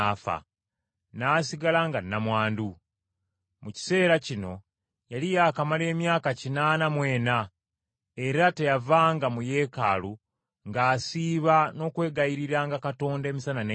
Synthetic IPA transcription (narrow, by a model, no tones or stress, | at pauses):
fa̰ | naːsiɡalaŋɡanːamwaːndu | muci̥se̞ːɾacino̞ | jalijaːkamale̞ːmjaːkacinaːnamwe̞ːna | e̞ɾate̞javaːŋɡamuje̞ːkaːlu | ŋɡaːsiːβano̞ːkwe̞ːɡajiɾiɾaŋɡakato̞ːnde̞ːmisanane